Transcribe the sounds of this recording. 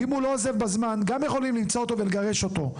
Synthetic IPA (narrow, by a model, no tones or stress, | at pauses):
imhulo̞aze̞vbazmanɡamjeχo̞limlimt͡soot̪o̞ve̞leɡaʁe̞ʃo̞t̪o̞